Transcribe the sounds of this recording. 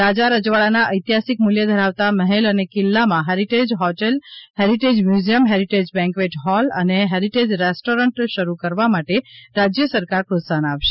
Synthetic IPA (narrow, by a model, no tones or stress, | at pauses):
ɾad͡ʒaɾəd͡ʒʋaɭanaʔəjt̪iɦasik̚mʊljəd̪ʱəɾaʋt̪aməɦelənekɪlːamãɦeɾiʈed͡ʒɦɔʈelɦeɾiʈed͡ʒmjuzijəmɦeɾiʈed͡ʒbɛ̃ŋkʋeʈɦɔlə̰neɦeɾiʈed͡ʒɾesʈoɾəɳʈʃəɾukəɾʋamaʈeɾad͡ʒjəsəɾkaɾpɾot̪sanaʋʃe̥